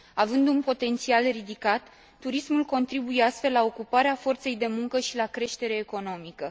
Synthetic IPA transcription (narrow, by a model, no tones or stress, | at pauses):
avɨnd̪unpo̞t̪e̞nt̪sialrid̪ikat̪ː | uɾismulko̞nt̪ɾibujeast̪fe̞lːao̞kupaɾeafo̞rt̪se̞jd̪e̞muŋkəʃilakɾe̞ʃt̪e̞ɾe̞ːko̞no̞mikə